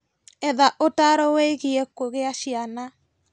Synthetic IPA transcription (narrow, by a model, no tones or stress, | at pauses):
ɛðaʔotaɾɔweiɣiɛkoɣeaʃiana